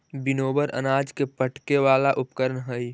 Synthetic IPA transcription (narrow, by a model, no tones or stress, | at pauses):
bɪnoːbəɾʔə̰naːd͡ʒkepəʈkeʋaːlaʔʊpkəɾənɦəi